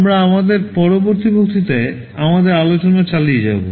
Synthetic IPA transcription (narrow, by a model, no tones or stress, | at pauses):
mɾaamad̪eɾpɔɾoboɾt̪ibʱok̚t̪ʰit̪ae | amad̪eɾalot͡ɕonat͡ɕalied͡ʑabo̰